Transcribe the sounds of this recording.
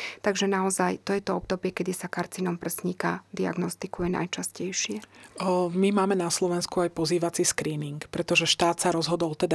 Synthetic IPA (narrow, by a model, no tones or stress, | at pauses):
t̪aɡʒɛnaɔzajt̪ɔjɛt̪ɔɔb̚d̪ɔbɪɛkɛd̪isakaɾt͡siːnɔmpr̩sɲikad̪ia̰ɡnɔst̪ikujɛna̰jt͡ʃascɛjʃɪɛ | mimaːmɛnaslɔʋɛnskuajpɔziːʋat͡siskɾiːniŋkpɾɛt̪ɔʒɛʃt̪aːt̪saɾɔzɦɔd̪ɔlt̪ɛd̪a